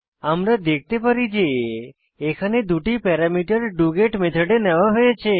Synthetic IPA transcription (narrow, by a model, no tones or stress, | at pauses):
amɾad̪ek̚ʰt̪epəɾid͡ʒe | ekʰaned̪ʱuʈipɛɾamiʈəɾɖuɡeʈmet̪ʰəɖenəʋaɦojet͡ʃʰe